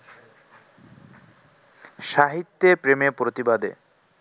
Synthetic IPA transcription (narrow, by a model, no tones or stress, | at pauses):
ʃaɦit̪ːepɾemepɾot̪ibad̪ḛ